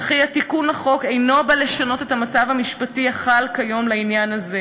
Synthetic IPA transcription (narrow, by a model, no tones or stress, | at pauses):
aχiatikunaχo̞kejno̞bale̞ʃano̞te̞t̪hamat͡savamiʃpatiaχalkajo̞mlainjanaze̞